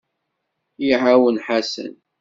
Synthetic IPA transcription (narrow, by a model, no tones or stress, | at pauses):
jiʕawənħasə̰n